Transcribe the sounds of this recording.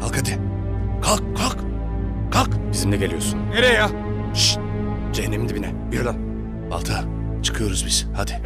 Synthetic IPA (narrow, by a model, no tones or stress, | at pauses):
alˠkhad̪i | kʰalˠkkʰːalˠk | kʰalˠkbizimlʲɛɟeijo̞sunneɾɛja | ʃ | d͡ʒeɦɛnːemind̪ɛbinɛbiɾod̪an | ba̰lˠt̪ʰa | t͡ʃʰɯ̥kʰɯjo̞ɾuzbiz̥had̪ɪ̥